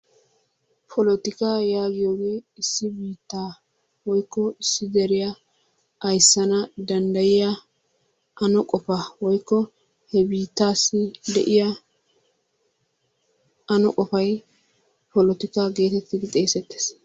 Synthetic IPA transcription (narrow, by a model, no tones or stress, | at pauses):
pʰɔlɔt̪ɪkaːjaːɡɪjoːɡe̞ːɪsːɪbiːt̪ːaː | wɔjkːɔɪsːɪd̪ɛɾɪjɐ | ʔɐjsːɐnɐd̪ɐnd̪ɐjɪjɐ | ʔɐnɔkʼɔpɐwɔjkːɔ | hɛbiːt̪ːaːsːɪd̪ɛʔɪjɐ | ɐnɔkʼɔfɐj | pɔlɔt̪ɪkaːɡe̞ːt̪ɛt̪ːɪd̪ɪt̪ʼe̞ːsɛt̪ːe̥ːs